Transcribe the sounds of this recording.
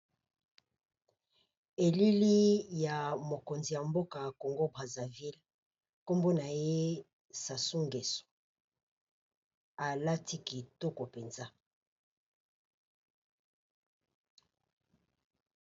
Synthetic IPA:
e˨li˦li˦ja˨mo˨ko˨nzi˨ja˨mbo˦ka˨ko˨ŋɡo˦bʁa˨za˨vi˦l | ko˦mbo˦na˨je˦ | sa˨su˦ŋɡe˨so̥˨ | a˨la˦ti˦ki˨to˦ko˨pe˨nza˦

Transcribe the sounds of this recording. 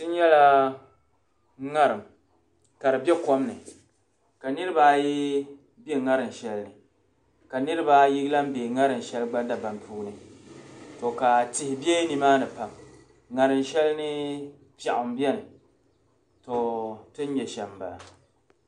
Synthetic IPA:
tɨ˦n˦ɲɛ˦la˦ | ŋa˦ɾɨ˨m | ka˨ɾɨ˨bɛ˦ko˦mnɨ˨ | ka˨nɨ˦ɾɨ˦baː˦ji˦ | bɛ˦ŋa˦ɾɨ˨m˨ʃɛ˦lnɨ˨ | ka˨nɨ˦ɾɨ˦baː˦ji˦ɡla˦m˦beː˨ŋa˦ɾɨ˨m˨ʃɛ˦lɡ͡ba˦da˦ba˨npuː˦nɨ˨ | to˨ka˨tɪ˨hɪ˨bjɛ˦ni˨maː˦nɨ˨pa˨m | ŋa˨ɾɨ˨nʃɛ˦lnɨ˦ | pa˨ʔʊ˨m˦bɛ˦nɨ˨ | to˨tɨ˦n˦ɲɛ˨ʃɛ˨mba̰˨a˨

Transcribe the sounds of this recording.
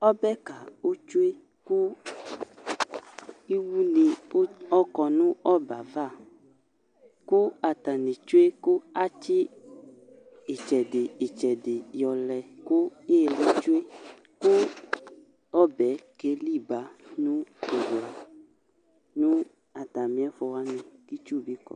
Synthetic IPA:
ɔ˦bɛ˦ka˨o˦t͡ʃu˦e˦ | ku˦ | i˦wu˦ni˨˦ɔ˦kɔ˧nũ˦ɔ˦ba˨va˦˨ | ku˦a˨t̪a˨ne˨t͡ʃu˦e˦ku˦a˦t͡ʃi˦ | e˨t͡ʃɛ˨de˨e˨t͡ʃɛ˨de˨jɔ˨lɛ˨ku˦e˦˨le˨˦t͡ʃu˦e˦ | ku˦ | ɔ˦bɛ˨˦ke˨˦li˦˨ba˨˦nũ˦i˨wa˨ | nũ˦ | a˨ta˨mĩ˨˦ɛ˦fɔ˧wa˦nĩ˨ki˦t͡ʃu˦˨bi˦kɔ̰˨

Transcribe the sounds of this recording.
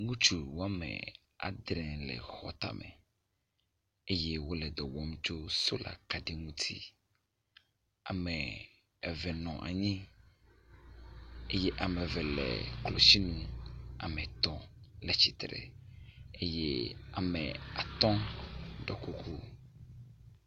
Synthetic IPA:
ŋũ˦t͡ʃu˨wo˦a˦mɛ̰̃˨ | a̰˨d̪ɾɛ̃˨lɛ̰˨xɔ̰˨t̪a̰˨mɛ̰˨ | e˦je˦wo˦lɛ˨d̪ɔ˨wɔ˦mt͡ʃo˦so˦la̰˨ka˨ɖe˨ŋũ˦t̪ʰi˦ | a˨mɛ˨ | ɛ˨vɛ˨nɔ̃˨ʔa̰˨ɲĩ˦ | e˦je˦ʔa˨mɛ̃˨vɛ˨lɛ̰˨klo˨si˦nũ˦a̰˨mɛ̃˨t̪ɔ˦lɛ˨t͡ɕi˨t̪ɾɛ̰˨ | e˦je˦a˨mɛ̃˨a˨t̪ɔ̃˦ɖɔ˨ku˦kʰu˦

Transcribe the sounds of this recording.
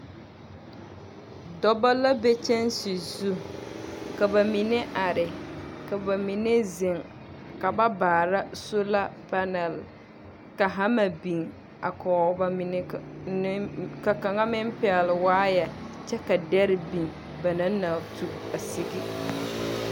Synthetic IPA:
dɔ˦ba˦la˦bɛ˦t͡ʃɛ˦n˦sɪ˨zu˦ | ka˨ba˨mi˨nɛ˦ʔa˨ɾɪ˨ka˨ba˨mi˨ne˦zɪ˨ŋ | ka˨ba˦baː˨ɾa˦sʊ˦la˦pa˦nɛ˨l | ka˨ɦa˦ma˨bi˨ŋ | a̰˨kɔː˨˦ba˦mɪ˨nɪ˦ | ka˨ka˨ŋa˦mɪ˦m˦pɪ˦˨a˨lɪ˨waː˦ja˨ | t͡ʃɛ˦ka˨dɛ˦ɾɪ˦bi˨ŋ | ba˨na˦na˨tu˦ | a˨sɪ˦ɡi˦

